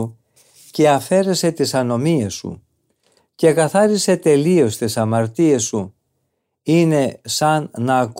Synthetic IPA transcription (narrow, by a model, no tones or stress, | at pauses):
u | ce̞ɐfe̞ɾe̞se̞t̪isɐno̞miesṵ | ce̞kɐθɐɾise̞t̪e̞lio̞st̪isɐmɐɾt̪iesu | ine̞sɐnːɐːk